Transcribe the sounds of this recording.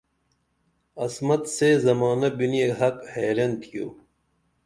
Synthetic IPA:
ɐsmɐt̪sezɐmaːnɐbinijeɦɐkheːɾɐnt̪ʰijo̰ː

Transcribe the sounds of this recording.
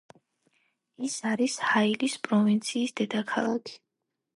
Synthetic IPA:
isaɾishailispʼɾɔvint̪sʰiːsd̪ɛd̪akʰalˠakʰi̥

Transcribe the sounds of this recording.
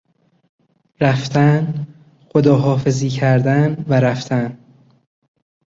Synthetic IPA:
ɾæft̪ʰæn | xod̪ɒːɦɒːfe̞ziːcʰæɾd̪ænvæɾæft̪ʰæn

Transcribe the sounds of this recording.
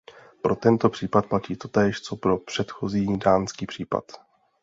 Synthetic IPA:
pɾo̞t̪ɛnt̪o̞pr̝̥iːpat̪̚placiːt̪o̞t̪ɛːʃt͡so̞pɾo̞pr̝̥ɛt̪xo̞ziːdaːnskiːpr̥iːpa̰t̪

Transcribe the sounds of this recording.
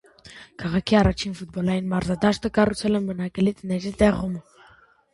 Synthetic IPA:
kʰɑʁɑkʰiɑrɑt͡ʃʰinfut̪̚bɔlɑjinmɑɾzɑd̪ɑʃt̪əkɑrut͡sʰɛlənbənɑkəlit̪nɛʒit̪ɛʁum

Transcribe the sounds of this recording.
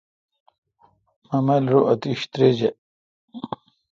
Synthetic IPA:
mɐmɐlɾoʔɐt̪iɕt̪ɾed͡ʑe

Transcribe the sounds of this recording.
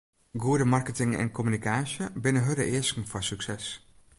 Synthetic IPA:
ɡuədəmɑrkətɪŋɛ̰nkʰɔmynikaːsjəbɪnəɦødəʔɪəskŋ̩fɔsyksɛs

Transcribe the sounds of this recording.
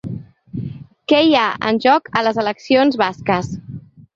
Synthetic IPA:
kɛjaə̰nʲʒɔkələzələksionzβaskəs

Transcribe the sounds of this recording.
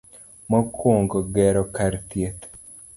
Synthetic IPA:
mɔkwoŋɡoɡɛɾɔkaɾt̪jet̪

